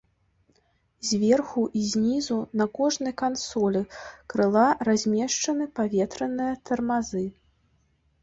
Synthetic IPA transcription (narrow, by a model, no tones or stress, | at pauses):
zʲvʲɛrxuʔizʲnʲizunɐkɔʐnɨjkansɔlʲɛkɾɨlˠaɾazʲmʲɛʂt͡ʂɐnɨpavʲɛt̪ɾɐnɨjɐt̪ɐrmazɨ